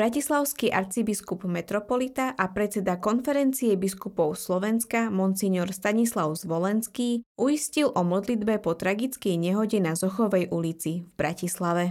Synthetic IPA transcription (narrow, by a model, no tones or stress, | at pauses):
bɾacislaʊskiʔa̰ɾt͡sibiskubmɛt̪ɾɔpɔlit̪aʔapɾɛt͡sɛd̪akɔnfɛɾɛnt͡siɛbiskupɔʊslɔʋɛnskamɔnt͡siɲɔɾst̪aɲislaʊzʋɔlɛnskiːʔujiscilʔɔmɔd̪lid̪bɛpɔt̪ɾaɡit͡skɛjɲɛɦɔɟɛnazɔxɔʋɛjʔulit͡sivbɾacislaʋɛ